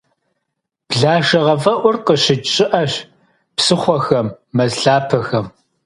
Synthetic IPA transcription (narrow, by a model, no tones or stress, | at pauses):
b̥ɮaːʃɐʁɐvɐʔʷʊrqəɕɪt͡ʃʼɪʔɐɕ | psɨχʷɔxɐmːɐzɬaːpʰɐxɐm